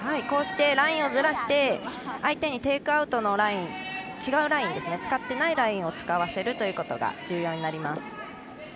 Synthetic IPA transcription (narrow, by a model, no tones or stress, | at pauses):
haiko̞ːɕi̥t̪e̞ɾaĩɰ̃o̞zɨɾaɕi̥t̪e̞ait̪e̞ɲ̟it̪e̞ːkɯ̟aɯ̟t̪o̞no̞ɾaĩnt͡ɕiɡaɯ̟ɾaĩnd̪e̞sɨne̞t͡sɨ̥kat̪ːe̞naiɾaĩɰ̃o̞t͡sɨ̥kaβase̞ɾɯ̟t̪o̞jɯ̟ːko̞t̪o̞ɡa̰d͡ʑɨːjo̞ːɲ̟inaɾʲimasɨ̥